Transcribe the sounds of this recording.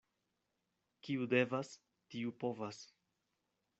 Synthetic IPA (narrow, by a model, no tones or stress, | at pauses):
kiude̞vas | tiupo̞vas